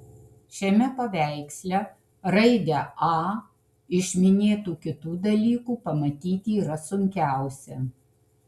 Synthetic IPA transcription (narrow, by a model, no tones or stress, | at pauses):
ʃʲɛmʲɛpɐʋʲæˑɪksʲlʲɛ | ɾɐɪd̪ʲɛɑː | ɪʃʲmʲɪnʲeːt̪uːkʲɪt̪uːd̪ɐlʲiːkuːpɐmɐt̪ʲiːt̪ʲiːɾɐsʊŋʲkʲæˑʊsʲɛ